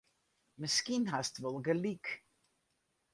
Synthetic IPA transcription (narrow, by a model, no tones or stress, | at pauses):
məskinɦastʋɔlˠɡəlik